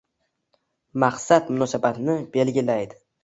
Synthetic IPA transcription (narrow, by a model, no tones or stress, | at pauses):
maqsat̪mʊnɒsabat̪nɪbe̞lɡʲilajd̪ɪ̥